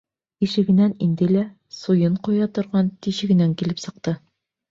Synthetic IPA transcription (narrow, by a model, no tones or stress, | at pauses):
iʃɘ̆ɡɘ̆nænind̪ɘlæ | sujɤɴqujɑt̪ŏɾʁɑnt̪iɕɘ̆ɡɘ̆næŋkilɘpsɤ̆q̚t̪ɤ